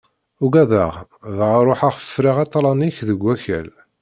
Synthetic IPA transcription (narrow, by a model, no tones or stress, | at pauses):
ʊɡæðəʁðəʁɾˤoħaʁfə̥fɾiʁɑt̪ˤːlˤɑniçðəɡʷːæçæ̰l